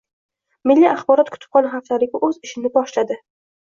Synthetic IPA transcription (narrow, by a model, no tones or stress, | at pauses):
mɪlːiaχbɒɾɒt̪̚kʰʊ̥t̪ʰɪ̥p̚qɒnɦaft̪aɾɪɡʲaʔɵzɪʃɪnɪbɒʃlad̪ɪ